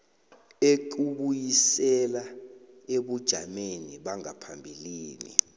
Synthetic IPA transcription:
eǃuɓujisɛlaeɓud̥ʒ̥ʱameniɓaŋapʰambʱiliːnḭ

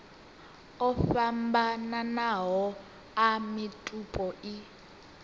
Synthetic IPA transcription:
ɔfambananaɦɔ | amitʼupʼɔʔi

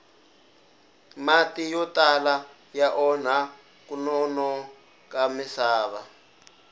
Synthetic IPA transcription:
matijɔtala | jaʔɔn̤a | kunɔnɔ | kamisaːβa

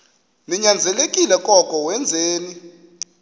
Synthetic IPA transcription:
niɲand͡zʱɛlekʼilɛkʼɔkʼɔwɛnd͡zʱeːni

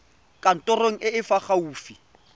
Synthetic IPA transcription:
kʼan̩tʼɔroŋ̩ʔɪɪfaχauːfi

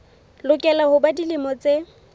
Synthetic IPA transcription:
lʊkʼɛlahʊbadilɪmɔt͡se

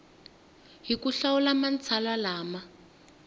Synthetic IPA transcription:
ɦikuɬawulamant͡sʰalalaːma

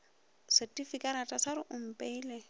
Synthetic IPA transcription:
sɪtʼifikʼaɾatʼasaɾɪʔʊm̩pʼeiːle

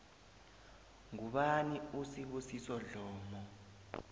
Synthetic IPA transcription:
ŋuɓaniusiɓusisɔɮɔːmɔ

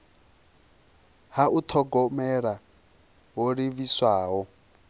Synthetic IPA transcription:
haʔut̪ʰɔɡɔmɛɺa | woɾiβiswaːɦɔ

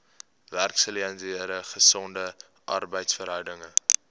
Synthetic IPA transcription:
værksəliɛnziəɾəχəsɔndə | ʔɐ̰rbəjtsfəɾɦœwdəŋə

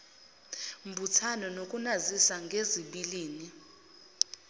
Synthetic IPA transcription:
mbʱutʰanɔnokʼunazisaŋɡʱeziɓiliːni

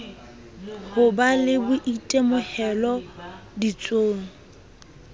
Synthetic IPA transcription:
hʊbalɪbʊʔitʼemʊhɛlɔdit͡sʼoːŋ̩

